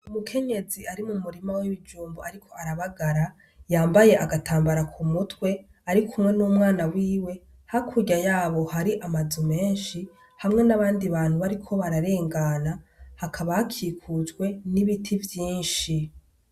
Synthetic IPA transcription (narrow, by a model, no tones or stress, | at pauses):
umukʰe̞ɲe̞ziaɾimumuɾimawiβid͡ʒuːmboaɾikʰo̞aɾaβaɡaɾa | jaːmbaje̞ʔaɡatʰaːmbaɾakʰumutwe̞ | aɾikʰumŋe̞nuːmŋaːnawiːwe̞ | hakʰuɟajaːβo̞haɾiʔamazume̞ːnʃi | hamŋe̞naβaːndiβaːn̥huβaɾikʰo̞βaɾaɾe̞ːŋɡanahakʰaβahakʰiːkʰuzɡwe̞niβitʰivjiːnʃi